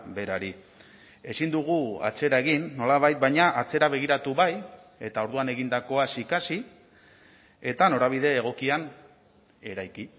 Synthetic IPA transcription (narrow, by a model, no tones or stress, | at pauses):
be̞ɾaɾi | e̞sind̪uɣ̞ua̰t͡se̞ɾae̞ɣinːo̞laβajt̪̚bajɲaʔat͡se̞ɾaβe̞ɣ̞iɾat̪uβaj | e̞t̪ao̞ɾðuane̞ɣind̪ako̞asikasi | e̞t̪ano̞ɾaβ̞ið̞e̞ːɣ̞o̞kian | e̞ɾajki